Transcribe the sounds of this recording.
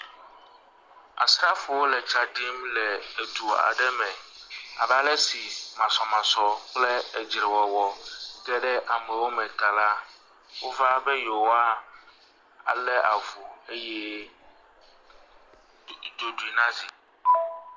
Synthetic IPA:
a̰˨sɾa˦fu˨wo˦lɛ˨t͡ʃa˦ɖi˦mlɛ˨e˨t̪u˨a̰˨ɖɛ˦mɛ̃˨a˨ba˦lɛ˦si˨mã˨sɔ˨mã˨sɔ˨k͡plɛ˦ɛ˨d͡ʑɾe˨wɔ˨wɔ˨ɡɛ˦ɖɛ˦ʔa˨mɛ˨wo˦mɛ̃˨t̪a˨la˦ | wo˦va˦bɛ˦jo˨wa˦ | a˨lɛ˦ʔa˨vu˨e˦jɛ˦ | d̪o˨du˨i˨nã˦d͡ʑi˨

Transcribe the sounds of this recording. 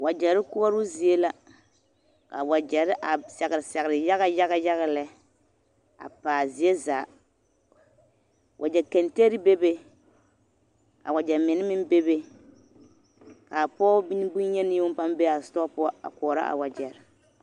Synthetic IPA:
wa˨d͡ʒɛ˨ɾɪ˦kʊ˦ɔ˦ɾʊ˦zi˨e˦la˦ | ka̰˨wa˨d͡ʒɛ˨ɾɪ˦ʔa˨sɛ˨ɣɪ˨ɾɪ˨sɛ˨ɣɾɪ˨ja˦ɣa˦ja˦ɣa˦ja˦ɣa˨lɛ˦ | a̰˨paː˨zi˨e˦zaː˨ | wʔa˨d͡ʒɛ˨kɛ˨nte˦ɾɪ˦be˦be˦ | ka̰˨wa˨d͡ʒɛ˨mɪ˨nɪ˦mɪ˦n˦be˦be˦ | ka˨pɔː˦bi˦n˦bu˦ɲɛ˦nɪ˦ʊ˦pa˦mbe˦a˨stɔ˦pʊ˦a˦a̰˨kɔ˨ɾa̰˦ʔa̰˨wa˨d͡ʒɛ˨ɾɪ˨

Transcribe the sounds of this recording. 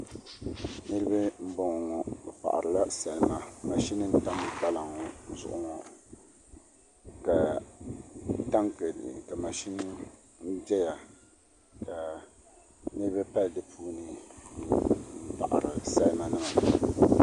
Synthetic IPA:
nɨ˦ɾɨ˦ba˦m̩˦bɔ˨ŋ˨ŋɔ˨bɛ˨pa̰˨ʔa̰˨ɾɨ˨la˦sa˨lɨ˦ma˨ma˨ʃi˦nɨ˦n̩˦ta˦m˨ba˦la˨ŋɔ˦zʊ̰˨ʔʊ˨ŋɔ˨ | ka˨˦ | ta˦ŋkka˨ma˨ʃi˦nɨ˦ | n̩˦d͡ʒɛ˦ja˨ | ka˨ | nɨ˦ɾɨ˦bɨ˦pa˦ldɨ˦pʰuː˦nɨ˨ | m̩˦pa̰˨ʔa̰˨ɾɨ˨sa˦lma˨nɨ˦ma˨

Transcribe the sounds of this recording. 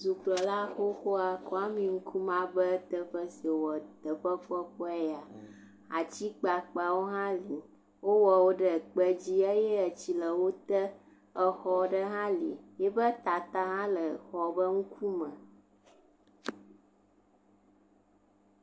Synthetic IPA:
zu˨k͡plɔ˨la˦xo˦xo˦a˨ko˦a˦mĩ˨ŋ̩˦kʰu˦mã˦bə˦t̪ə˦ɸə˦si˨wɔ˨t̪ə˨ɸə˦k͡pɔ˦k͡pɔ˦ɛ˦ja˨ | a˨t͡ɕi˦k͡pa˨k͡pa˨wo˦ɦã˦li˨ | wo˦wɔ˨wo˦ɖə˨k͡pə˦d͡ʑi˦e˦jɛ˦ə˨t͡ɕi˨lə˨wo˦t̪ə˦ | ə˨xɔ˨ɖə˦ɦã˦lḭ˨jɛ˦bə˦t̪a˨t̪a˦ɦã˦lə˨xɔ˨bə˦ŋ̩˦kʰu˦mə̃˨

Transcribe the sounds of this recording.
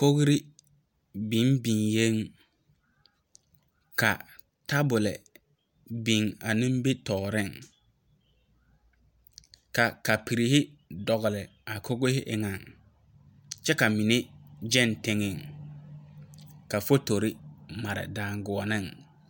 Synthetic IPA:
ko˦ɣɾɪ˦ | bi˨˦nbi˨ŋje˦ŋ | ka˨ | ta˦bʊ˨lɪ̰˨ | bi˨ŋa˨nɪ̃˦m˦be˦tɔː˨ɾɪ˦˨ŋ | ka˨ka˨pi˨ɾi˨hɪ˦dɔ˨ɣʊ˨lɪ˨ | a˨kʰo˦ɡʊ˦hɪ˦ʔɪ˨ŋa˨ŋ | t͡ʃɛ˦ka˨mi˨nɪ˦d͡ʒɛ˦ntɪ˦ŋɪ˨ŋ | ka˨fo˦to˨ɾɪ˦ma˨ɾɪ̰˨daː˨ŋɡʊ˨ɔ˨nɪ˦˨ŋ

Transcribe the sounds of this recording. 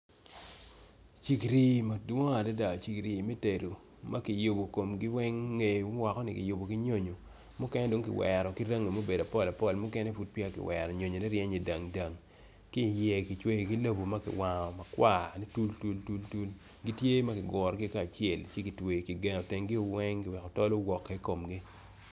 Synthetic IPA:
t͡ʃi˨kɾi˨ma˨dwɔ˦ŋa˨da˦da˨t͡ʃi˨kɾi˨mɛ˦te˨ɾo˨ | ma˦kɪ˨jo˨bo˨ko˨mɡɪ˦wɛ˦ŋːe˨˦m˦wa˨kɔ˦nɪ˦kɪ̰˨jo˨bo˨kɪ˦ɲo˦ɲo˨ | mʊ˦kɛ˦nɛ˦do˨˦ŋkɪ˨wɛ̰˨ɾɔ˨ki˦ɾa˦ŋːe˨mo˦be˨da˨pɔ˦˨la˨pɔ˦˨lmʊ˦kɛ˦nɛ˦fu˦t̚pja˦kɪ̰˨wɛ˨ɾɔ˨ɲo˨ɲo˨nɛ˦ɾjɛ˦ɲe˨da˨ŋda˨ŋ | ki˦˨jɛ˨ki˨t͡ʃwe˦i˨ki˦lo˦bo˨ma˦kɪ̰˨wa˨ŋɔ˨ma˨kwa˦˨ni˦tu˦ltu˦ltu˦ltu˦l | ɡi˦tje˦ma˦kɪ˨ɡɔ˨ɾɡɪ˦ka˦˨t͡ʃɪɛ˨lt͡ʃe˦ki˨twe˨ki˨ɡɛ˨˦o˨tɛ˨ŋɡi˦ʊ˦wɛ˦ŋkɪ˨wɛ˨kɔ˨tɔ˦lo˦ɡwɔ˨kːe˨˦ko˨mɡi˦

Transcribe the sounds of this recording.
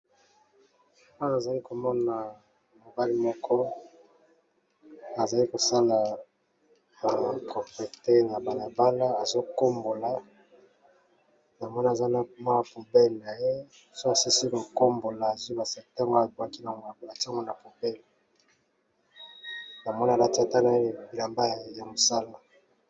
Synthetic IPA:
a˦na˨za˨li˦ko˨mɔ˦na˨ | mo˨ba˦li˦mɔ˦kʰɔ˦ | na˨za˨li˦ko˨sa˦la˨ | ba˨po˨pe˨te˦na˨ba˨la˨ba˦la˦a˨zo˦ko˦mbo˨la˨ | na˨mɔ˦n˦a˨za˦na˨ma˦a˨pu˨bɛ˦lna˨je˦ | so˦a˨si˦si˦ko˨ko˦mbo˨laː˨zu˦ba˨sɛ˨ta˦ŋɡo˦a˨bwa˦ki˦na˨ŋo˨la˨a˨ti˦a˦ŋɡo˦na˨pu˨pe˦˨l | na˨mɔ˦n˦a˨la˨ti˦a˦˨ta˦na˨˦˨bi˨la˨mba˦jja˨mo˨sa˦la˨

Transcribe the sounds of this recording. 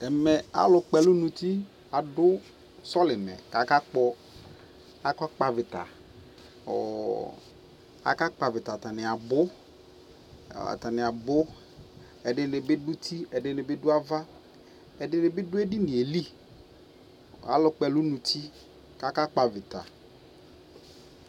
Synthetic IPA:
ɛ˨mɛ˨a̰˨˦lʊ˨k͡pɛ˨lʊ˦nũ˨t̪i˦ | a˨dʊ˦ | sɔ˦lɪ˨mɛ̰˨ka˨ka˦k͡pɔ˦ | a˨kɔ˦k͡pa˨vɪ˨t̪a̰˨ | ɔ˨ | a̰˨ka˦k͡pa˨vɪ˨ta˨t̪a˨nɪ˨a˨bʊ˦˨ | a̰˨t̪a˨nɪ˨a˨bʊ˦ | ɛ˨ɖɪ˦nɪ˨bɪ˦dʊ˦t̪ʰi˦ɛ˨dɪ˦nɪ˨bɪ˦dʊ˦a˦va˦ | ɛ˨dɪ˦nɪ˨bɪ˦dʊ˦e˦di˦nɪ̃˨e˨li˦˨ | a̰˦lʊ˦k͡pɛ˦lʊ˦nũ˨t̪ʰi˦ | ka˨ka˦k͡pa˨vɪ˨t̪a̰˨

